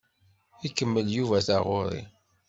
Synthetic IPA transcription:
ikːəmːəljuvæθaʁʊ̰ɾˤḭ

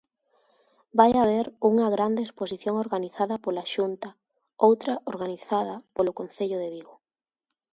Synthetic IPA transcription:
bajaβeɾuŋɐɣɾand̪eːsposiθjoŋoɾɣaniθaðɐpolaʃunt̪ɐ | owt̪ɾɐʔoɾɣaniθaðɐpolʊkonθeʎʊðeβiɣo

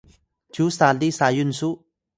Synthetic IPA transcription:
t͡ɕʰusalisajunsu

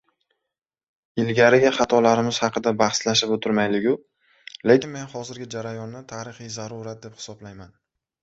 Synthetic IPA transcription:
ɪlɡʲaɾɪɡʲaχɑt̪ʰɒlaɾɪmɪz̥hɑqɨd̪abaχslaʃɪpot̪ʰʊɾmajlɪɡʲʊ | le̞kʲɪnme̞nχɒzɪɾɡʲɪd͡ʒaɾajɒnːɪt̪ʰaːɾɪχɨjzaɾʊɾat̪̚d̪e̞phɪ̥sɒblajman

